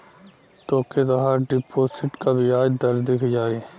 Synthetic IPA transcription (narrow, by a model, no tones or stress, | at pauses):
t̪oːket̪əɦaɖɪpʰoːsɪʈkabʱiaːd͡ʒd̪əɾd̪ɪkʰd͡ʒaːe